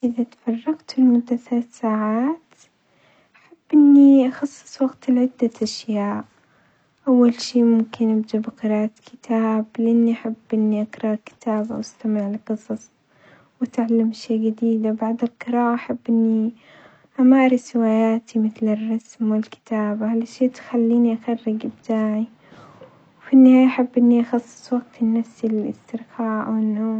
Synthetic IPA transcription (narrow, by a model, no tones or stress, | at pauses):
ʔɪðit̪fɑrˤːɑɡt̪ɪlmʊd̪ːaθaaat̪saːʕaːt̪ | ʔaħab̥ːʔɪnːiʔaxɑsˤːɨ̥sˤwɑɡt̪lʕɪd̪ːaʔaʃjaːʔ | ʔawːalʃiːmʊmkɪnʔabd͡ʒ̪abqɨɾɑːʔat̪kʰɪt̪ʰaːblɪʔanːiʔaħabːʔɪnːiʔakɾˤɑʔkɪ̥t̪ʰaːbʔa̰wʔast̪amɪʕlqɨsˤɑsˤ | wɪt̪ʕalːamʃeːɡad̪iːd̪abaʕd̪alqɨɾɑːʔaʔaħabːʔɪnːi | ʔamaːɾˤɪswaːjaːt̪imɪθlɪrˤːɑsmwɪlkɪ̥t̪aːbahalaʃeːt̪xalːiːniʔaxarːɪɡʔɪb̚t̪aːʕi | wfinːɪhaːjaʔaħabːʔɪnːiʔɑxɑsˤːɨ̥sˤwaɡ̚t̪ɪnːafsilɪst̪ɪɾxaːʕʔa̰wɪnːoː